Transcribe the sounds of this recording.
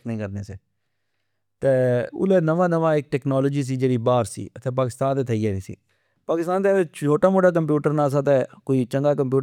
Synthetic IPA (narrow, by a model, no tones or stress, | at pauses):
knəĩːkəɾneːseː | t̪eːʊ̰leːnəʋãːnəʋãːɪk̚ʈɛːknaːloːd͡ʒiːs̬iːd͡ʒeːɽiːbaːɾsḭːət̪ẽːp̬aːkɪst̪ãːnt̪eːt̪ʰəiːd͡ʒaːnĩːsḭː | paːkɪst̪aːnt̪et͡ʃʰoːʈaːmoːʈaːk̬əmp̬juːʈəɾnãːs̬aːt̪ɛːkoːiːt͡ʃəŋɡaːkəmpjuː